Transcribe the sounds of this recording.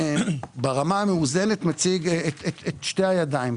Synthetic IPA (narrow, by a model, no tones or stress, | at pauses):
beʁamameuzenet̪mat͡siɡetetet̪ʃtehajadaim